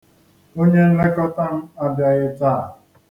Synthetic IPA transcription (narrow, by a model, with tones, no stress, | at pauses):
o˦ɲe˦n̩˦le˦kɔ˦ta˦n̩˦a˨bɪ˨a˨je˦t͡saː˦˨